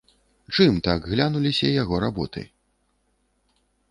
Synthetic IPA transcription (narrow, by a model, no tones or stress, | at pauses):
t͡ʂɨmt̪aɡɣlʲanulʲisʲɐjaɣɔɾabɔt̪ɨ̰